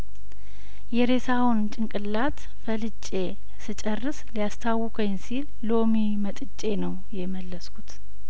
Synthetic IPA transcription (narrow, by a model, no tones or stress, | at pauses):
jɛɾe̞sawunt͡ʃʼɨŋkʼɨlːat̪ | fəlɨt͡ʃʼːe̞ | sɨt͡ʃʼərːɨslijast̪ʰawɨkʰənsilːo̞mimət̪ʼɨt͡ʃʼe̞nəwjɛməlːəskʰut̪